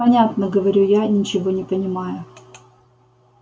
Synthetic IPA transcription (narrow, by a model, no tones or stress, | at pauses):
ɐnʲat̪nəɡəvɐɾʲujanʲɪt͡ɕɪvonʲɪpənʲɪmajʊ